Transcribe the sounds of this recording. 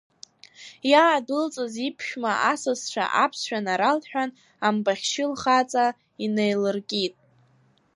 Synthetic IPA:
jaːdɨlt͡sʼɨzipʰʃᶣmaʔasɨzt͡ʃʷʰa̰ʔapʰsʃᶣanaɾalħᶣan | ambaχʲʃɪlχat͡sʼa | inejlɨrɡʲʼitʼ

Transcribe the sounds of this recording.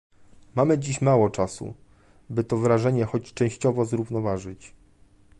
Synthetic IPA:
mamɘd͡ʑiɕmawɔt͡ʂasṵ | bɘt̪ɔvɾaʐɛɲɛxɔt͡ɕt͡ʂɛ̃w̃ɕt͡ɕɔvɔzɾuvnɔvaʐɘt͡ɕ

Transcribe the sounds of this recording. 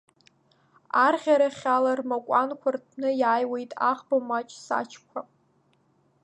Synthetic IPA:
arʁʲaɾaχʲalarmakʷʼankʷʰartʰnɨjaːjwe̞jtʼa̰χbamat͡ʃʼsa̰t͡ʃʰkʷʰa

